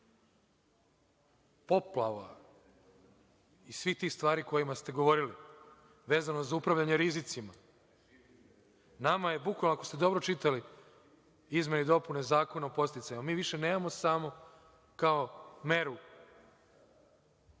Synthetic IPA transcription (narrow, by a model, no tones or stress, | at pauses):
po̞plˠaʋa | isʋixt̪iːxst̪ʋaːɾiko̞jimast̪e̞ɡoʋo̞ɾili | ʋe̞ːzanozaupɾaʋʎaɲeɾizit̪sima | namaje̞bukʋalˠnoakost̪e̞d̪o̞bɾot͡ʃit̪ali | izme̞nid̪o̞pune̞zaːko̞naopo̞st̪it̪sajamiːʋiʃe̞ne̞ːmamo̞samo̞ | kao̞me̞ɾu